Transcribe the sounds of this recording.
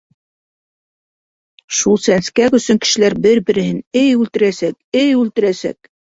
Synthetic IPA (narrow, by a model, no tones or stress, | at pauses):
ʃulˠsænskækɵ̆sɵŋkɘ̥̆ʃɘ̆læɾbɘɾbɘ̆ɾɘ̆hɘnɘjʉlt̪ɘ̆ɾæsæk̚ɘjʉlt̪ɘ̆ɾæsæ̰k̚